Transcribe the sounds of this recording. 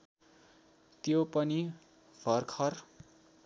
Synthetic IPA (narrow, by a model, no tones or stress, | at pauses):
t̪jopʌni | bʱʌrkʰʌr